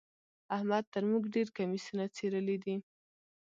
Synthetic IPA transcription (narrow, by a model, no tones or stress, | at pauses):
ahmad̪̚t̪əɾmuɡɖeɾkamisunat͡seɾəlid̪i